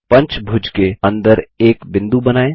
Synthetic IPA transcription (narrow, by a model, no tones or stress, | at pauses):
pɐ̃ɲt͡ʃbʱʊd͡ʒkeɐ̃nd̪əɾeːkbɪ̃nd̪ubɐnaːe